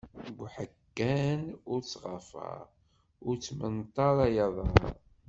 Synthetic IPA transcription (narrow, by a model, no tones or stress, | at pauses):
ɡʷħəkːænʊɾt͡sːʁəfə̰ʁ | ʊɾt͡sːmənt̪ˤːɑɾˤɑjɑðˤɑ